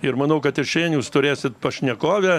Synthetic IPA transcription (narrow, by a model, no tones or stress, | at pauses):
ɪɾmɐnɐʊkɐt̪ɪʃʲeɪnjuːst̪ʊɾʲeːsʲɪt̪pɐʃʲnʲɛkoːʋʲɛ